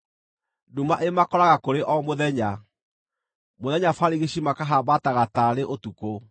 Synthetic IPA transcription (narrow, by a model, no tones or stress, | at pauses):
dumaʔemakɔɾaɣakoɾeʔɔmoðɛɲa | moðɛɲafaɾiɣeɕimakaɦabataɣataɾeʔotuko